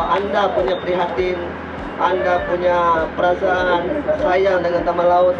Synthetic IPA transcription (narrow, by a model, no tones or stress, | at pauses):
andapuɲapəɾiɦat̪ɪn | ʔandapuɲapəɾasaːnsajaŋdəŋant̪amalaʊt̪̚